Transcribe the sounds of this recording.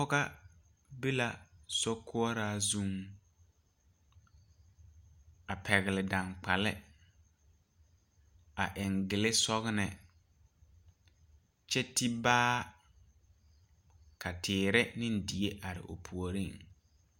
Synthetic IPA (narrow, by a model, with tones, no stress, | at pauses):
ɔ˦ɣa˦ | be˦la˨sɔ˦kʰʊ˦ɔ˦ɾaː˦zu˦ŋ | a˨pʰɛ˨ɣɪ˨lɪ˨da˨ŋk͡pa˨lɪ˦ | a˨ʔɪ˨ŋɡɪ˨lɪ˦sɔ˦ɣnɪ˨ | t͡ʃɛ˦ti˦baː˦ | kʰa˨tʰɪː˨ɾɪ˦nɪ̃˦n̩˦di˨e˦ʔa˨ɾɪ̰˨ʔo̰˨pʰu˨o˨ɾi˦˨ŋ